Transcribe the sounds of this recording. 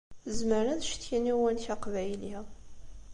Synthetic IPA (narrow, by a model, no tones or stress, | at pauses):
zməɾæðʃt̪jinæwænçaqvæjli